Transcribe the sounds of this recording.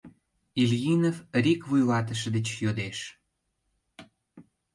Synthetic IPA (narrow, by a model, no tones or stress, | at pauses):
ilʲjinovrikvujlɑt̪əʃə̆d̪ə̆t͡ɕjod̪eʃ